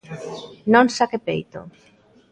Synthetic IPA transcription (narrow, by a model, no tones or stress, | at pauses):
nõŋsakepḛjt̪o̰